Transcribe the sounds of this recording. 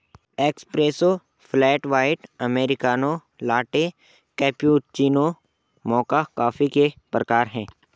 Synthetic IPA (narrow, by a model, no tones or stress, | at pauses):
eːkspɾeːso | flɛːʈʋaːɪʈɐmeːɾɪkaːno | laːʈe | kɛːpiuːt͡ʃiːno | mɔːkakaːfikepɾəkaːɾɦɛ̃ː